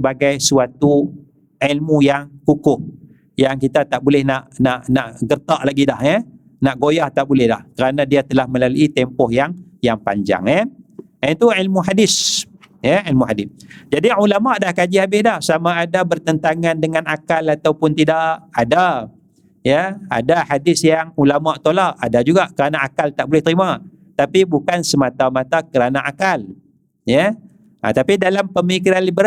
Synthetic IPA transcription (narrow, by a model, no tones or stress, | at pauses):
əbaɡajsuat̪u | ʕilmujaŋkukʊh | jaŋkit̪at̪aʔbulɛhnaʔnaʔnaʔɡərt̪aʔlaɡidahə | naʔɡojaht̪aʔbulɛhda̰hkəɾanãdiat̪əlahmə̃laluit̪ɛmpɔhjaŋjaŋpa̰ɲd͡ʒa̰ŋɛ | ənt̪uʕilmuɦadɪs | jəilmuɦadɪsd͡ʒadiulamaʔdahkad͡ʒiabɪhdahsamaadabərt̪ənt̪aŋandəŋanakalat̪awpʊnt̪idaʔʔada | jəa̰dahadɪsjaŋulamaʔt̪olaʔadad͡ʒuɡaʔkəɾanaakalt̪aʔbolɛht̪əɾima | t̪apibukansəmat̪amãt̪akəɾanaʔakal | jə | a̰t̪apidalampəmikiɾanlibəɾ